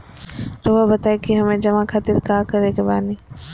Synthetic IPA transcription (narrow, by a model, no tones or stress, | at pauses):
ɾoɦabɐt̪aːekiɦɐmẽd͡ʑɐʋãkʰat̪ɪɾkaːkɐɾekebaːni